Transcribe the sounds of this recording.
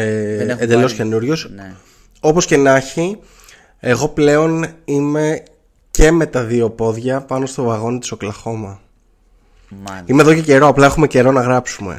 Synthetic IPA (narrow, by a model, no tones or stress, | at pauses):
end̪elosce̞nuɾʝo̞s | o̞po̞sce̞nɐçi | e̞ɣo̞ple̞o̞nime̞ | ce̞me̞t̪ɐðio̞po̞ðʝɐpɐno̞st̪o̞vɐɣo̞nit̪i̥soklɐxo̞mɐ | ime̞ðo̞ce̞ce̞ɾo̞ɐplɐe̞xume̞ce̞ɾo̞nɐɣɾɐpsume̞̰